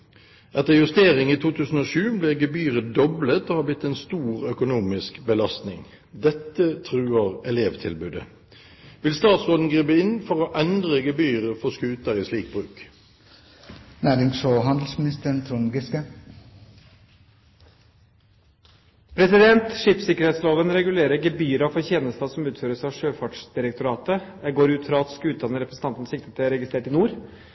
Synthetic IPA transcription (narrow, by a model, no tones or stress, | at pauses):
ʔɛt̪əʁjʉst̪eːʁɪŋiːt̪ʰuːt̪ʰʉːsn̩oːʃʉːbliːɡəbyːʁəd̪ɔblət̪oːhɑːblɪt̪ːɛːnst̪uːʁœkʊnuːmɪskbəlɑst̪nɪ̰ŋ | d̪ɛt̪ːət̪ʰʁʉːəʁɛleːʋt̪ʰɪlbʉːd̪ə̰ | ʋɪlst̪ɑːt̪sʁoːd̪n̩ɡʁiːbəɪnfɔʁoːʔɛnd̪ʁəɡəbyːʁəfɔskʉːt̪əʁiːsliːk̚bʁʉːk | næːɾɪŋsoɦɑnd̪l̩smɪnɪst̪əɳt̪ʰɾuŋɡɪskə | pʰɾɛsɪd̪ɛnt̪ʂiːpsɪkəɾhɛt̪sloːʋənɾɛɡʉleːɾəɡɛbyːɾɑfɔɾçeːnəst̪ɑsɔmʉːt̪føːɾəsɑʋʂøːfɑʈʂd̪ɪɾək̚t̪ʊɾɑːt̪əd̪æɡoːɾʉːt̪fɾɑɑt̪skʉːd̪ɑnəɾɛpɾəsəɑnt̪n̩sɪk̚t̪ə̥t̪ʰɪæɾɛɡɪst̪ɾeːʈɪnuːɾ